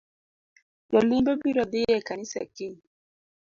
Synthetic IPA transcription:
jɔlimbɛbiɾɔdijɛkanisɛ̰ki

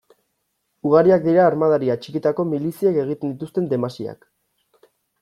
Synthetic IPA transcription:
uɣ̞aɾiak̚d̪iɾaːɾmað̞aɾiat͡ʃikit̪ako̞milisiake̞ɣ̞it̪e̞nd̪it̪ust̪e̞nd̪e̞masia̰k

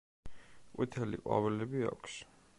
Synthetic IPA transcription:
qʼwḭt̪ʰɛliqʼwa̰vɛlɛbia̰kʰs

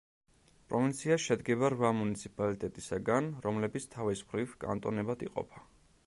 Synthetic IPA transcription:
pʼɾɔvint̪sʰiaʃɛd̪ɡɛβaɾvamunit̪sʰipʼalit̪ʼɛt̪ʼisaɡanɾɔmlɛbit̪sʰt̪ʰavismχɾivkʼa̰nt̪ʼɔ̰nɛbad̪iqʼɔ̰pʰḁ

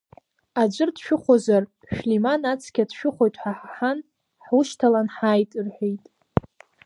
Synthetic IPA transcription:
ad͡ʒʷɨrdʃᶣʊχʷozar | ʃᶣlimanat͡sʰkʲʰadʃᶣʊχʷo̞jtʼħaħħan | ħʊʃtʰalanħaːjtʼirħʷᶣejtʼ

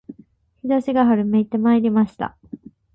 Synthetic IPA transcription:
çid̪oɕiɡaɦaɾɯ̟me̞it̪ːe̞maeɾʲimaɕi̥t̪a̰

